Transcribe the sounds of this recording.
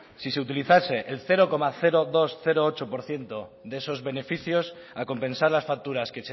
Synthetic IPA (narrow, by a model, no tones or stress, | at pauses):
sise̞ut̪iliθase̞ʔelθe̞ɾo̞ko̞maθe̞ɾoðo̞sθe̞ɾoot͡ʃo̞po̞ɾθje̞nt̪o̞ðeso̞zβe̞ne̞fiθjo̞s | ako̞mpe̞nsaɾlasfak̚t̪uɾaskese